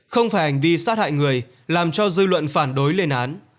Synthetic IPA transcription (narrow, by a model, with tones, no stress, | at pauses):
xə˧wŋ͡mfaː˧˩jha˨˩jŋ̟vi˧saː˦˥t̚ha̰ː˧˨jŋɨ˨˩əj | laː˨˩mt͡ɕɔ˧zɨ˧lwə̰˧˨nfaː˧˩nɗo˨˦jle˧nʔaː˨˦n